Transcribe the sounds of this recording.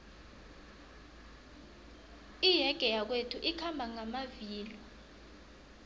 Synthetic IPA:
ijɛɡ̥ʱɛjak̬wetʰuʔikʰambʱaŋamaviːlɔ

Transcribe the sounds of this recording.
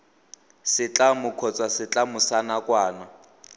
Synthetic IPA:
sɪt͡ɬamʊkʰɔt͡sʼwasɪt͡ɬʼamʊsanakʼwaːna

